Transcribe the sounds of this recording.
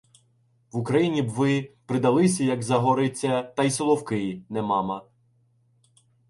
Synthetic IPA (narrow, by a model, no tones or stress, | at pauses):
ʋʊkɾɐjinʲibʋɪpɾɪd̪ɐlˠɪsʲɐjɐɡzɐɦɔɾɪt͡sʲːɐt̪ɐjsɔlˠɔwkɪjnɛmɑmɐ